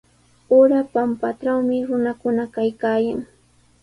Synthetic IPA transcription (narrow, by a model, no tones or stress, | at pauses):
oɾapampaʈ͡ʂawmɪɾʊnakʊnakajkaːjaŋ